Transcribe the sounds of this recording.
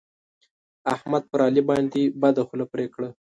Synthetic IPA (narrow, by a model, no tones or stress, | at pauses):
ahmad̪̚pəɾɑlibɑnd̪ebad̪axulapɾekɽa